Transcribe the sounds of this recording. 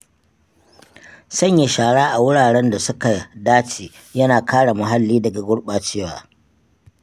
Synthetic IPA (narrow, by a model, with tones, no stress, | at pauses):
sɐ˦˨ɲje˨ʃaː˨ɽaː˦ʔa˨wʊ˦ɽaː˨ɽɛ˦nda˨sʊ˦ka˨daː˦t͡ʃeː˨ | jɐ˦naː˨kaː˦ɽa˨mʊ˨ɦa˦lːiː˦dɐ˨ɡa˨ɡʷʊ˦ɽɓaː˨t͡ʃeː˦wa̰ː˨